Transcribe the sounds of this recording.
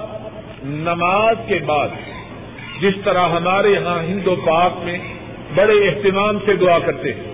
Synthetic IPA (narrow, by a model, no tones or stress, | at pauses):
nɐmaːzkebaːd̪ | d͡ʒɪst̪ɐɾaɦɐmaːɾeɦãɦɪ̃nd̪opaːkmẽ | bɐɽeɪɦt̪ɪmaːmsed̪ʊakɐɾt̪eɦɛ̃